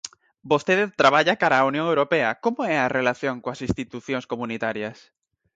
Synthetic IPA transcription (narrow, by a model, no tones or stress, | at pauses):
bost̪eðet̪ɾaβ̞aʎakaɾaːunjõŋewɾopeakomoɛarelaθjõŋkoasĩnst̪it̪uθjõŋskomũnit̪aɾjas